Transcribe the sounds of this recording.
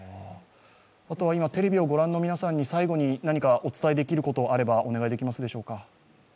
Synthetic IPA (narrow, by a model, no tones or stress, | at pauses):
at̪o̞βaimat̪e̞ɾe̞bʲio̞ɡo̞ɾãnːo̞mʲinasãɲ̟ːisaiɡo̞ɲ̟inaɲ̟ikaʔo̞t͡sɨ̥t̪aid̪e̞kʲiɾɯ̟ko̞t̪o̞aɾe̞baʔo̞ne̞ɡaid̪e̞kʲimasɨd̪e̞ɕo̞ːka